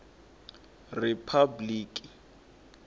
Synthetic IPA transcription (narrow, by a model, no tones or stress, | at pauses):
ripʰabliːkʼi